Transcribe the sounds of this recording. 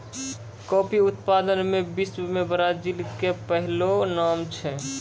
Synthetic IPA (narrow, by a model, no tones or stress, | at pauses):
kɔːpiʊt̪pad̪ənmebismebɾad͡ʒilkepəɦlonamt͡ʃʰɛ